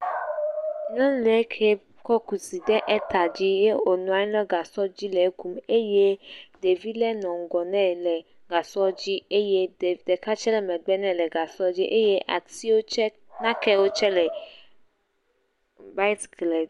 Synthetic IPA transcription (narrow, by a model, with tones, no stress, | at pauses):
nɔ̃˦lɛ˨˦kʰɛ˦ | kɔ˦ku˨si˨dɛ˦ʔɛ˦t̪a˨d͡ʑi˦je˦o˨nũ˨a˦nɛ̃˦ɡa˨sɔ˦d͡ʑi˦lɛ˨˦ku˦me˦je˦de˨vi˦lɛ˦nɔ̃˨ŋ˨ɡɔ˨nɛ̃˦˨lɛ˨ | ɡa˨sɔ˦d͡ʑi˦e˦je˦ddɛ˨ka˦t͡ʃɛ˦lɛ˨mɛ̃˨ɡ͡bɛ˦nɛ̃˦˨lɛ˨ɡa˨sɔ˦d͡ʑi˦ʔe˦je˦ʔa̰˨ti˦wo˦t͡ʃɛ˦ | nã˦kɛ˦wo˦t͡ʃɛ˦lɛ˨ | ba˦i˦tɡlɛ˨d